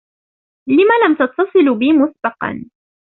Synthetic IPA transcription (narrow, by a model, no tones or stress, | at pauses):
lɪmalamt̪ɑt̪ːɑsˤɨlbɪːmʊsbɑqɑ̰n